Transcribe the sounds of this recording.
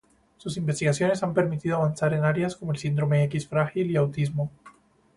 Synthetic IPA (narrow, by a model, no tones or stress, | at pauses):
susimbest̪iɣasjone̞sampe̞ɾmit̪iðoaβ̞ansaɾe̞naɾjasko̞moelsind̪ɾo̞me̞ekisfɾaxiliawt̪izmo